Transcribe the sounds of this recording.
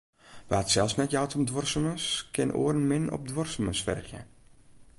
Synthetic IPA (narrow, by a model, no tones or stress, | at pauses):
ʋəatsɛlˠfsnɛtjawtʰəmdʋɔrsəməskʰɪnʔo̰ərnmɪnɔ̰p̚dʋɔrsəməsfɛ̰rxjə̰